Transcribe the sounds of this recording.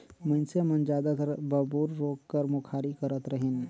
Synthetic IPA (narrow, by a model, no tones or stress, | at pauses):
mə̃nsemənd͡ʒaːd̪ət̪ɾbɐbuːɾːoːkːəɾmʊkʰaːɾikəɾət̪ɾəɦen